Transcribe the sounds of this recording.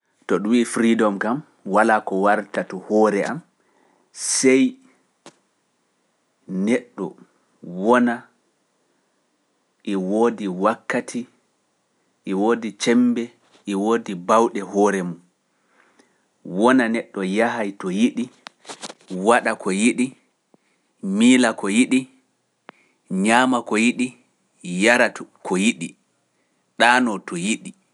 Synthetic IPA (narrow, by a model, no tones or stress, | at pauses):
tɔɗuwifɾidɔmkam | walakɔwaɾtatɔhɔːɾɛʔam | sɛj | nɛɗːɔ̰ | wɔna | ʔɛwoːdiwakːatʰi | ʔɛwoːdit͡ʃɛmbɛ | ʔiwoːdibawɗɛhɔːɾɛmum | wɔnanɛɗːɔjaɦajtɔjiɗi | waɗakʰɔjiɗi | miːlakɔjiɗi | ɲaːmakɔjiɗi | jaɾakʰɔjiɗi | ɗaːnɔtɔjiɗi